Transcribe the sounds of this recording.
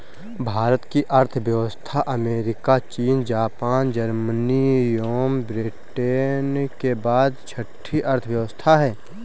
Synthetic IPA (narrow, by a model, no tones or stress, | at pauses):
bʱaːɾət̪kiʔɐɾt̪ʰʋjəʋəst̪ʰaʔɐmeːɾɪkat͡ʃiːnd͡ʒaːpaːnd͡ʒəɾmənijoːmbɾɪʈeːnkebaːd̪t͡ʃʰəʈʰːiʔɐɾt̪ʰəʋjəʋəst̪ʰaɦɛː